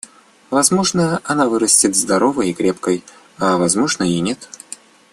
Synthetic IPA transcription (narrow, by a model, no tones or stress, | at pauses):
vɐzmo̞ʐnəɐnavɨɾəsʲtʲɪt̪zd̪ɐɾovəjɪkɾʲepkəj | avɐzmo̞ʐnəjinʲet̪